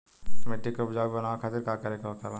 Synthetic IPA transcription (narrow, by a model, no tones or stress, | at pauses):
meʈːikopd͡ʒaibɐnaːʋakʰaːt̪iɾkakəɾekokala